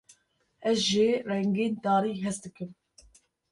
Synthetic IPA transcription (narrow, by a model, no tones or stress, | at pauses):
ɛzʒerɛŋɡeːnd̪ɑːɾiːɦɛsd̪ɨkɨm